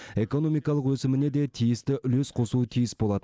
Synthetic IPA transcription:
e̞ko̞no̞mijkɑlˠəqwɵsɪmɪne̞d̪e̞t̪ʰijɪst̪ɪʔʏlesqʰo̞suət̪ʰijɪsbo̞lˠɑt̪ə

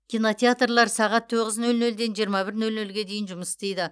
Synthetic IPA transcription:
kʲʰijno̞t̪ʲeat̪rlˠɑɾsɑʁɑt̪ʰːoʁəznɵlnɵld̪e̞nʒijəɾmɑbɪɾnɵlnɵlɡʲe̞d̪e̞jɪnʒʊməst̪ejd̪ɪ

